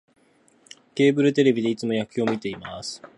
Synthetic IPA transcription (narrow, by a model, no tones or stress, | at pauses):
ke̞ːbɯ̟ɾɯ̟t̪̬e̞ɾe̞bʲid̪e̞it͡sɨmo̞jakɯjo̞ːmʲit̪e̞imasɨ̥